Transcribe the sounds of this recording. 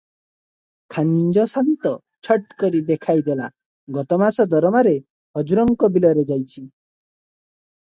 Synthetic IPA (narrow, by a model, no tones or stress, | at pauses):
kʰand͡ʒɔsant̪ɔ | t͡ʃʰɔʈkɔɾid̪ekʰajd̪ela | ɡɔt̪ɔmasɔd̪ɔɾɔmaɾe | ɦɔd͡ʒuɾɔŋkɔbilɔɾed͡ʒajt͡ʃʰi